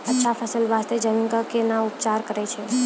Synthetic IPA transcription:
ətːʃʰapʰəsəlʋast̪ed͡ʒənkəkenaupt͡ʃaɾkəɾɛt͡ʃʰɛ

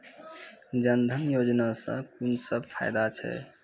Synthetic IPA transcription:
d͡ʒənd̪ʱənjod͡ʒnasə̰̃kunsəbpʰa̰jd̪at͡ʃʰɛ̰

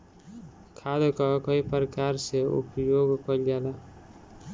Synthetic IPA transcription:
kʰad̪kɔkʌipɾkaɾseṵpjoɡkʌld͡ʒala

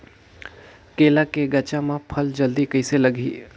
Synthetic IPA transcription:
keːlakeɡɐt͡ʃãmãpʰɐld͡ʒɐld̪ikɐɪselɐɡʱiː

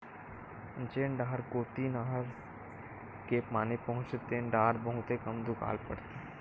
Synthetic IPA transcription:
ənt͡ʃeːɳɖaːɾkoːt̪iːnaɦɾ | kepmaːnepɐɦʊ̃t͡ʃt̪eːnɖaːɾbɐɦʊt̪ekɐmd̪ʊka̰ːlpɐɽt̪e

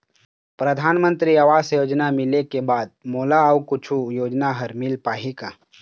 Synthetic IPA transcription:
pɾɐd̪ʱaːnmə̃nt̪ɾiaʋaːsjoːd͡ʒnamɪlekebaːd̪̚moːlaawkʊt͡ʃʰujoːd͡ʒnaɦɐɾmɪlpaːɦika

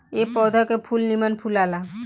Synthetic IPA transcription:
epɔːd̪ʱakepʰulnimənpʰulaːla

